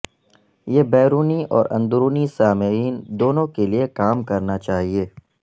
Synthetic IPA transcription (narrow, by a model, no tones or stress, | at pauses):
jeːbɛːɾuːniɔːɾʔɐ̰̃nd̪ʊɾuːnisaːmɪɾiːnd̪oːnõkeliekaːmkɐɾnat͡ʃaːɦieː